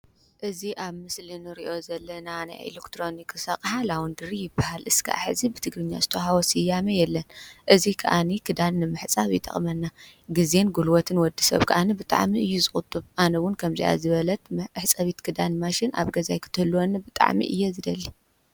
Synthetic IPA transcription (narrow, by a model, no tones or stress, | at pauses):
ʔɨziʔaβmɨslɨnɨɾiʔo̞zɐlːɐnana̰jḛlekt̪ʰɾo̞nikʰɨsɐχʼħalawund̪ɨɾijɪbahalʔɨskʰa̰ʔa̰ħɨzibɨt̪ʰɨɡɾɨɲːa̰zɨt̪ʰoɦawɔsɨjːamɐjɛlːɐnʔɨzikʰɐ̰ʔanikʰɨd̪anːɨmɨħt͡sʼaβjɪ̰t̪ʼːɐ̰χʼmɐnːaɡɨze̞nɡulwɔt̪ʰɨnwɔd̪isɐ̰βkʰɐʔanibɨt̪ʼa̰ʕmiɨjːuzɨχʼʊt̪ʼːɨβʔanɐwʊnkʰɐmzḭja̰zɨβɐlɐt̪mħt͡sʼɐβit̪kʰɨd̪anmaʃɪna̰βɡɐzajkʰɨ̥t̪ʰɨhɨlːwonːɐbɨt̪ʼa̰ʕmḭʔɨ̰jːɛzɨd̪ɐlːi